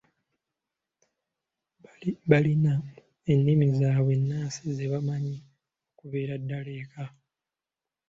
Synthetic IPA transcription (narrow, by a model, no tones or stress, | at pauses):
βalina | e̞nːimizaːβwe̞nːaːsize̞βamaɲi | okuβe̞ːɾadːale̞ːka